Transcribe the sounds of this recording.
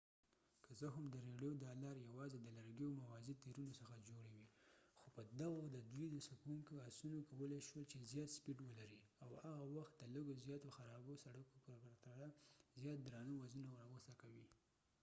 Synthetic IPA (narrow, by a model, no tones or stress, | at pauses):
kəzəɦʊmd̪əɾeɽjod̪ɑlɑɾjawɑzed̪əlaɾɡjowmawɑzit̪eɾunosəxad͡ʒoɽewixopəd̪aɣad̪əd̪ujd̪əsakuŋkoasunokawəleʃwəlt͡ʃezjɑt̪spiʈwəlaɾiawhaɣawaxt̪̚d̪ələɡozjɑt̪oxaɾɑbosaɽakopəɾt̪aɽazjɑt̪̚d̪ɾɑnəwazunawɾɣəst̪akawi